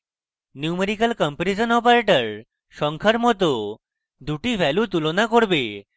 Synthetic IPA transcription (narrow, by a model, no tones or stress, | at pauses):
niumeɾikalkɔmpɾid͡ʑənɔpaɾeʈəɾ | ʃɔŋkʰaɾmɔt̪o | d̪uʈiʋʱɛlut̪ulonakoɾbe